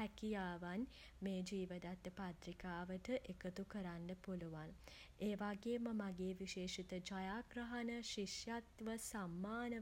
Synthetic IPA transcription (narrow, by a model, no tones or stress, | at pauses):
ɛkijaːʋan | meːd͡ʒiːʋəd̪at̪ːəpat̪ɾikaːʋəʈəʔekət̪ukəɾaɳɖəpuluʋan | eːʋaɡeːməmaɡeːʋiʃeːʂit̪əd͡ʒajaːɡɾəɦanəʃiʂjat̪ʋəsamːaːnə